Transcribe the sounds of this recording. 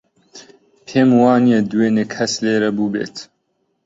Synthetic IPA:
pʰeːmwɑːnied̪uweːneːkʰɐsleːɾɐbuːbḛːt̪

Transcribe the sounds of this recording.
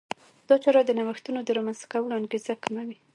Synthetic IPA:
d̪̥ɑt͡ʃɑɾɑd̪ənawəxt̪unod̪əɾɑmanzt̪ḁkawəloanɡezakamawi

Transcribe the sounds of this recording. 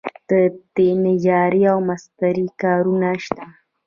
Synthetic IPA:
d̪̥ət̪enɪjaːɾiawmast̪aɾikaːɾunaʃt̪a

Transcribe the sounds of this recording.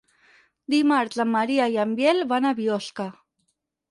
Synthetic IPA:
d̪imaɾzamːaɾiajambjelβanaβiɔska

